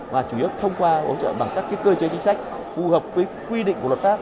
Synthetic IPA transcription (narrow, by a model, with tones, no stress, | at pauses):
vaː˨˩t͡ɕu˧˩˨ə˦˥t̪ʰə˧wŋ͡mkwaː˧ʔə̰˨˦wt͡ɕə̰ː˧˨ɓa˨˩ŋkaː˦˥kːaː˨˦jkəː˧t͡ɕe˨˦t͡ɕi˨˦ŋsa˦˥k̟̚ | fu˨˩həː˨˩p̚vəː˨˦jkwi˧ɗḭ˧˨ŋkwt̚faː˦˥p̚